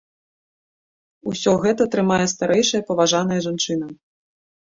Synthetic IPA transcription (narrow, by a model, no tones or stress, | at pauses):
usʲɔɣɛt̪ɐt̪ɾɨmajɛst̪aɾʔɛjʂɐjɐpɐvaʐan̪ɐjɐʐant͡ʂɨnɐ